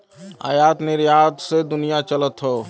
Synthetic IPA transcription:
a̰ːjat̪nɪɾjat̪sed̪ʊnijat͡ʃələt̪ɦə

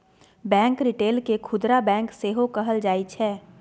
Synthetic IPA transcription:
bɛ̃ːŋkɾɪʈeːlkekʰʊd̪ɾabɛ̃ːŋkseɦokəɦəld͡ʒaːit͡ʃʰɛː

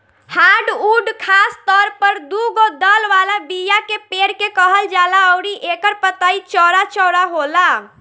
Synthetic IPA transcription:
haɖuɖkʰast̪ɔɾpəɾd̪uɡod̪əlʋalabijakepeɾkekəɦəld͡ʒalaɔʊɾiʔekəɾpət̪ait͡ʃɔɾat͡ʃɔːɾaɦola

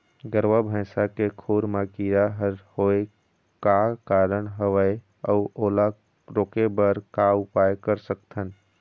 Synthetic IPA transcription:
ɡəɾʋabʱə̃sakekʰoːɾmakiːɾaɦəɾhoe | kakaːɾəɳɦəʋəe | əʊoːla | ɾoːkebəɾkaʊpaːjkəɾsəkt̪ʰən

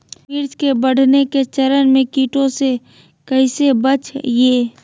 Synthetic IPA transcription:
mɪɾd͡ʒkebɐɽ̤neket͡ʃɐɾənmẽkiːʈõse | kɐɪsebət͡ʃjeː

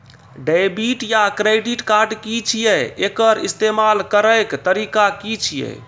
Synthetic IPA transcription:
ɖajbiʈjakɾeɖiʈkaɾɖkit͡ʃʰijɛekəɾist̪emalkəɾəjkt̪əɾikakit͡ʃʰijɛ̰

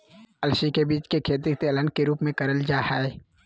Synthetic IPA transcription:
ɐlʃikebiːt͡ʃkekʰeːt̪ik̚t̪iɐlə̃nkeɾuːpmẽkɐɾəld͡ʒaːhɛe

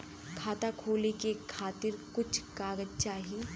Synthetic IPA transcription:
kʰaːt̪akʰoːlekekʰaːt̪ɪɾkʊt͡ʃʰkaːɡəd͡ʒt͡ʃaːɦi

